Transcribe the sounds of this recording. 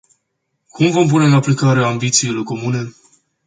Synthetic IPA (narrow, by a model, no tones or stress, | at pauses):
kʰumvo̞mp̬une̞ɨnaplikaɾeaːmbit̪siːlo̞ko̞mune̞